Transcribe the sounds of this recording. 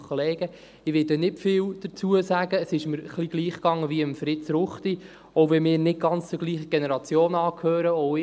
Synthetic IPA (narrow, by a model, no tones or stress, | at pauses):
koleːɡ̥ə | ɪʋɪdɛnɪtfɪːwd̥ət͡suəsæɡəːsɪʃməɾχliɡ̥liːχkɑŋːəʋiəmfɾɪtt͡sɾʊχti | ɔʊvɛmɪːɾnɪt̚ɡ̥ɑnt͡st͡sʊɡ̥liːχəɡ̥enɛɾɑt͡sjoːnɑːkʰhøːɾəɔʊ